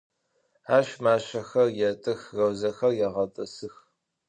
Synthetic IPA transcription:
aːʃmaːɕɐxɐrjɛtʼɨxrɐwzɐxɐrjɛʁɐtʼɐsɨx

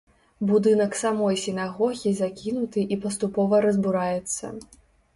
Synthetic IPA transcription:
bud̪ɨn̪ɐksamɔjsʲinaɣɔɣʲizakʲinut̪ɨʔipɐst̪upɔvɐɾɐzbuɾajɛt̪sːɐ̰

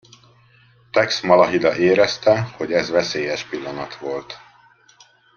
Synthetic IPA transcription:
t̪ɛksmɒlɒɦid̪ɒʔeːɾɛst̪ɛho̞ɟɛzvɛseːjɛʃpilːɒnɒt̪ʋo̞lt̪

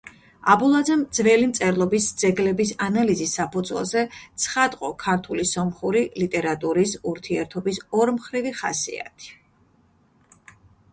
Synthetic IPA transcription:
abulˠad̪zɛmd̪zvɛlimt̪sʼɛɾlˠɔbisd̪z̥ɛɡlɛbisanalizisːapʰud̪zwɛ̰lˠzɛt̪sʰχat̪ʼqʼɔkʰaɾt̪ʰulisɔmχuɾilit̪ʼɛɾat̪ʼuɾisuɾt̪ʰiɛɾt̪ʰɔbisɔɾmχɾiviχasḭa̰t̪ʰi̥

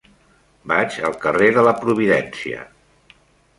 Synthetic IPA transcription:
bat͡ʃə̰lˠkəreðələpɾuβ̞iðɛnsiə̰

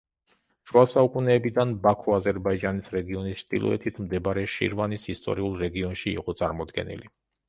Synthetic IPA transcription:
ʃuasaukʼunɛːbid̪anbakʰɔazɛɾbaid͡ʒanisɾɛɡiɔnisʃt̪ʼḭlˠɔ̰ɛ̰t̪ʰit̪ʰmd̪ɛbaɾɛʃḭɾvanisist̪ʼɔ̰ɾiulˠɾɛɡiɔnʃḭːqʼɔt̪sʼaɾmɔd̪ɡɛ̰nḭli

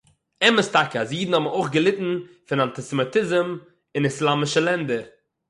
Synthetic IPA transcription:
ɛməstakəasjiːdn̩hɔbmoɪχɡəlˠɪtn̩ | fɪnantɪsəmɪtɪzəm | ɪnɪslˠamɪʃəlˠɛndəɾ

